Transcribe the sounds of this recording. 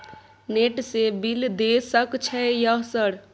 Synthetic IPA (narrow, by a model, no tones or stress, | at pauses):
neʈsebild̪esəkt͡ʃʰɛjəɦsəɾ